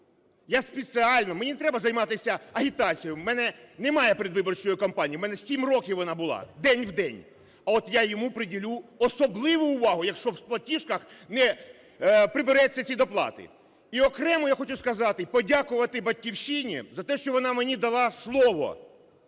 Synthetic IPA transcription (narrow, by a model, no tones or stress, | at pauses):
jaspesɪɑlʲnɔmenʲint̪ɾɛbɐzɐjmɑt̪ɪsʲɐɐɦʲit̪ɑt͡sʲijʊmɛnɛnɛmɑjɛpɾʲɪd̪ʋɪbɔrt͡ʃɔjʊkɔmpɑnʲijiwmɛnɛsʲimrɔkʲiwʋɔnɑbʊlˠɑ̰d̪ɛnʲwd̪ɛnʲ | ɐɔt̪jajɔmupɾɪdʲilʲuɔsɔblˠɪʋʊːʋɑɦʊjɐkʃt͡ʃɔwsplˠɐtʲiʃkɐxnɛ | pɾɪbɪɾɛt͡sʲːɐt͡sʲid̪ɔplˠɑ̰t̪ɪ̰ | iɔkɾɛmʊjaxɔt͡ʃʊskɐzɑt̪ɪpɔdʲakʊʋɐt̪ɪbɐt̚ʲkʲiwʃinʲḭzɐt̪ɛʃt͡ʃɔʋɔnɑmenʲid̪ɐlˠɑslˠɔʋɔ̰